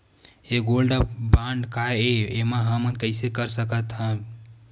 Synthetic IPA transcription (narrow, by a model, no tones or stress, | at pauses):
eɡolɖəpbãɳɖkaeemãɦəmənkəɪsekəɾsəkət̪ɦə̃